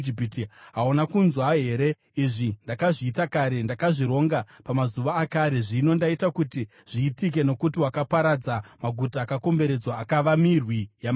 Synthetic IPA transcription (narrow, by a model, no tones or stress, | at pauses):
ipitiɦaonakunzwaɦe̞ɾe̞ | iʐindakaʐiːtakaɾe̞ndakaʐiɾo̞ŋɡapamazuʋaːkaɾe̞ʐino̞ndaitakuti | ʐ̥iːtik̬e̞no̞kutiwakapaɾad͡zamaɡʱutaːkako̞mbe̞ɾe̞d͡zwaːkaʋamirwija